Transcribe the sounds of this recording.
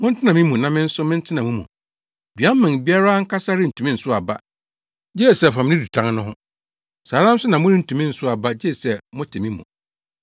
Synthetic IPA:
mʊ̃˦n̩˦tʰɪ˦nã˨mĩ˦mũ˨nã˨mɪ̃˦n̩˦sʊ˦mɪ̃˦n̩˦tʰɪ˦nã˨mũ˦mṵ̃˨ | dɥa˦m˦mã˨bi˦a˦ɾa˦ŋ̩˦kʰa˦sa˦ɾɪ˦n̩˨tʰũ˨mĩ˦n̩˨sʊ˦a˨ba˦ | d͡ʑɛ˦˨sɛ˨fa˨mɪ̃˦ɪ̃˦di˨tʰã˦ŋnʊ̃˦ɦʊ̃˦ | saː˨ɾã˦n̩˦sʊ˦nã˨mʊ̃˦ɾĩ˦n̩˨tʰũ˨mĩ˦n̩˨sʊ˦a˨ba˦d͡ʑɛ˦˨sɛ˨mʊ̃˦tʰɪ˨mĩ˦mṵ̃˨

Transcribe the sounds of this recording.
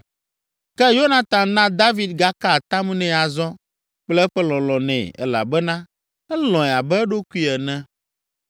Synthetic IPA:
kɛ˦jo˦nã˨t̪ã˨nã˦d̪a˦vi˨d̪̚ɡa˦ka˦˨t̪a˦mũ˦nɛ̃˦a˨zɔ̃˦ | k͡plɛ˦ɛ˦ɸɛ˦lɔ̃˨lɔ̃˨nɛ̃˨ɛ̰˦la̰˨bɛ˦nã˦ | ɛ˦lɔ̃˨ɛ˨a˨bɛ˦ɛ˦ɖo˦ku˦i˦ɛ˨nɛ̃˦

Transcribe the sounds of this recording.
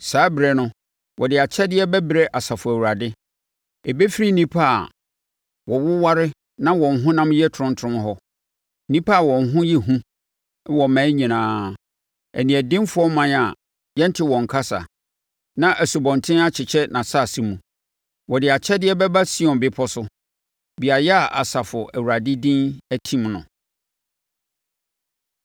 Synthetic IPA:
saː˨˦bɾɛ˨nʊ̃˦ | wʔɔ˨dɪ˨a˨t͡ɕʰɛ˦dɪ˦ɛ˦bɛ˦bɾɛ˦ʔa˨sa˨fʊ˨æ˨wu˨ɾa˨dɪ˦ | e˨be˦fi˦ɾi˦n˦nĩ˦pʰa˦a̰˨ | wɔ˨wʊ˦wa˦ɾɪ˦ | nã˦wɔ̃˨n̩˨ɦʊ̃˦nã˦m˦jɛ˦tʰɾʊ̃˦ntʰɾʊ̃˦m˦ɦɔ˦ | nĩ˦pʰa˦a˨wɔ̃˨nɦʊ̃˦jɛ˦ɦũ˦ | wɔ˨mæ̃ː˨˦ɲĩ˨nãː˨˦ | æ̰˨nĩ˨ɛ˨dɪ̃˦m˦fʊ˨˦ɔ˦mːã˦na˨ | jɛ̃˦n̩˦tʰɪ˨wɔ̃˨ŋ˨kʰa˦sa̰˨ | nã˦ʔæ˨su˨bɔ̃˨ntʰɪ̃˦a˦t͡ɕʰɪ˨t͡ɕʰɛ˦nã˨sa˦˨si˦mũ˨ | wɔ˨dɪ˨a˨t͡ɕʰɛ˦dɪ˦ɛ˦bɛ˦ba˦si˦ɔ̃˨m˨bɪ˦pʰɔ˦sʊ˦ | bi˨a˨jɛ˦a˨ʔa˨sa˨fʊ˨ʔæ˨wu˨ɾa˨di˦dĩ˦næ˦tʰĩ˦mnʊ̰̃˨

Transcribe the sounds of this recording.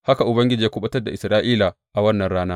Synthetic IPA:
ha˦ka˨ʔʊ˨bɐ˦ŋɡʲɪ˦d͡ʒiː˨a˦kʷʊ˦ɓɐ˦tɐ˦rda˨ʔɪ˨sɾaː˦ʔiː˦la˨ | ʔa˨wɐ˦nːɐ˨nɽaː˦naː˦

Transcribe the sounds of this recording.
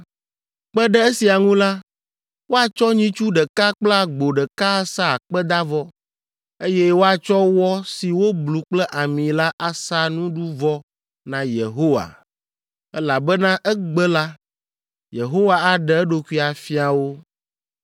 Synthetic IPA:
k͡pɛ˦ɖɛ˦e˦si˨a˨ŋũ˦la˦ | wo˦a˨t͡ʃɔ˦ɲĩ˦t͡ʃu˦ɖɛ˨ka˦k͡pla˦ɡ͡bo˨ɖɛ˨ka˦sa˦˨k͡pɛ˦d̪a˦vɔ˦ | e˦jɛ˦wo˦a˨t͡ʃɔ˦wɔ˦si˨wo˦blu˨k͡plɛ˦ʔa˨mĩ˨la˦ʔa˦sa˦nũ˦ɖu˦vɔ˦ | nã˨je˨ɦo˦wa̰˨ | ɛ˦la˨bɛ˦nã˦ʔɛ˦ɡ͡bɛ˦la˦ | je˨ɦo˦wa˨a˨ɖɛ˨ɛ˦ɖo˨ku˦i˦a˨fi˦a˨wo˦

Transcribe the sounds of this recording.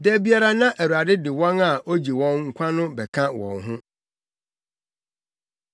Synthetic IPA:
dɛ˦bi˦a˦ɾa˦nã˦ʔæ˨wu˨a˨dɪ˦dɪ˨wɔ̃˦na˨o˦d͡ʑi˨wɔ̃˦nŋ̩˦kʷʰã˦nʊ̃˦bɛ˨kʰã˦wɔ̰̃˨nɦʊ̃˦

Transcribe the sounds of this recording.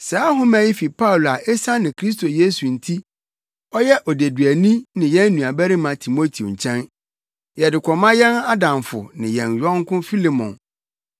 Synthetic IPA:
saː˨˦ɦʊ̃˦mæ̃˦ji˦fi˨pʰa˦ʊ˨la˨ʔɛ˦sã˦nɪ̃˨kʰɾi˦s̬tʰo˨je˦su˨n̩˨tʰi˦ | ɔ˦jɛ˦ʔɔ˨de˨dɥæ˨nĩ˦nɪ̃˨jɛ̃˦n˦nũ˨a˨bæ˦ɾɪ˦mã˨tʰi˨mo˦tʰi˨o̰˨ɲ̩˨t͡ɕʰɛ̃˦n | jɛ˨dɪ˨kʷʰɔ˨mã˦jɛ̃˦na˦dã˨mfʊ̰˨nɪ̃˨jɛ̰̃˨njᶣɔ̃˦ŋ˦kʰʊ̃˦fi˦li˨mɔ̰̃˨n

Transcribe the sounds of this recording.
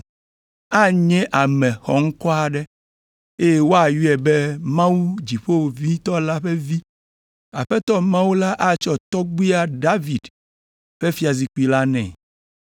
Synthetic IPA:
a˦ɲɛ̃˦ʔa˨mɛ̃˨xɔ˨ŋ̩˦kɔ˦a˨ɖɛ˦ | e˦je˦wo˦a˨ju˦ɛ˨bɛ˦mã˦wu˦d͡ʑi˨ɸo˦wo˨vi˦t̪ɔ˦la˦ɸɛ˦vi˦ | a˨ɸɛ˦t̪ɔ˦mã˦wu˦la˦ʔa˦t͡ʃɔ˦t̪ɔ˦ɡ͡bi˦a˦ɖa˦vi˨d | ɸɛ˦fi˦a˨zi˨ku˦i˨la˦nɛ̰̃˨

